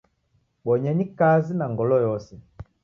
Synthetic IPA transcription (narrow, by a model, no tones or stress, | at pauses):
ɓɔɲɛɲikazinaŋɡɔlɔjɔsɛ